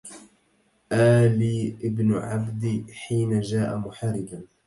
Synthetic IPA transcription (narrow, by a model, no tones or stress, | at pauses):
ʔaːliːʔɪbnʊʕabd̪iħiːnad͡ʒaːʔamʊħarɪɡan